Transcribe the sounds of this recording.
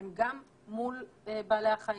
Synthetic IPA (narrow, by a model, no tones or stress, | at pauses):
mɡamː | ulebaːleaχa